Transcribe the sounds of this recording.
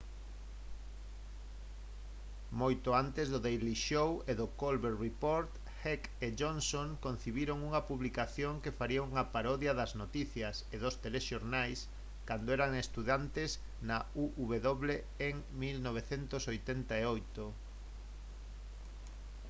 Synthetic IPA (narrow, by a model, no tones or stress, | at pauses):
mojt̪ʊant̪ezðʊðejliʃoweðʊkolβeɾripoɾt̪ | xekeʝonsoŋkon̟θiβiɾoŋuŋɐpuβlikaθjoŋkefaɾiauŋɐpaɾɔðjɐðɐznot̪iθjɐseðʊst̪eleʃoɾnajs | kand̪oɛɾaŋest̪uðant̪es | nɐuʔuβeðoβle | eŋ | milnoβ̞eθent̪osojt̪ent̪aeojt̪o